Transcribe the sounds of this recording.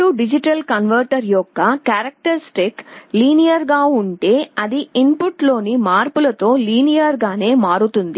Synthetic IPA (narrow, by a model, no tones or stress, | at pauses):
ɾuɖid͡ʒiʈɐlkɐnʋɐɾʈɐɾjɔkːɐkaːɾɐk̚ʈɐɾsʈikliːnijɐɾɡaːuɳʈe̞ːɐd̪iimpuʈlo̞ːnimaːɾpulɐt̪o̞ːliːnijɐɾɡaːne̞ːmaːɾut̪und̪i